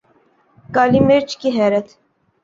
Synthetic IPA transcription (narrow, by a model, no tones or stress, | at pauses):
ɡɑlimɛɾt͡ʃʰkiɦɛɾɛt̪ʰ